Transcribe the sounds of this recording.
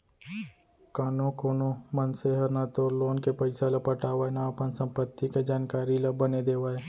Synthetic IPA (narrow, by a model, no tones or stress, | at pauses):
kaːnõkoːnõmənseɦəɾnat̪oːɾloːnkepɐɪsalapəʈaːʋaːenaːpənsə̃mpət̪ːiked͡ʒaːnkaːɾilɐbəned̪eːʋaːe